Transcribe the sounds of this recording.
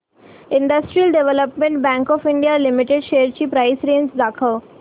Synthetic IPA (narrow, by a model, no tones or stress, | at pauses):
ɪ̃ɳɖəsʈɾijəlɖeʋeləpmẽɳʈ̚bæ̃ŋkɔːfɪ̃ɳɖijalɪmɪʈeɖʃeːɾt͡ɕiːpɾaɪsɾẽːnd͡ʒd̪aːkʰəʋ